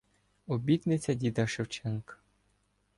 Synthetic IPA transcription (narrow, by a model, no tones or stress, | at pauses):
ɔbʲit̪nɪt͡sʲɐd̪ʲid̪ɐʃɪwt͡ʃɛŋk